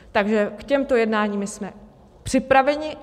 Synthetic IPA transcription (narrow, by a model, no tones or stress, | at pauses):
t̪aɡʒɛkcɛmt̪o̞jɛdnaːɲiːmɪsmɛ | pr̝̥ɪpɾavɛɲɪ